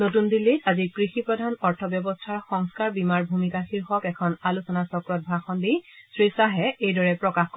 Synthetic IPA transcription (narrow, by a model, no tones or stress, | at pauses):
notundilːitazikɹixipɹɔdʱanɔɹtʰɔbjɔbɔstʰaɹxɔŋskaɹbimaɹbʱumikaxiɹxɔkɛkʰɔnalusɔnasɔkɹɔt̚bʱaxɔndijsɹisaɦɛejdɔɹɛpɹɔkaxkɔ